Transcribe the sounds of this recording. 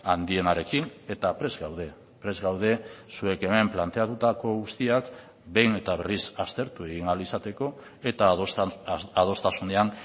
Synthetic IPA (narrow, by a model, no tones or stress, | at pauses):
and̪ie̞naɾe̞kine̞t̪apɾe̞zɡawð̞e̞ | pɾe̞zɣawð̞e̞sue̞ke̞me̞mplant̪e̞at̪ut̪ako̞ɣust̪iak | be̞jne̞t̪aβe̞risast̪e̞ɾt̪ue̞ɣiŋalisat̪e̞ko̞ | e̞t̪a | að̞o̞st̪asune̞an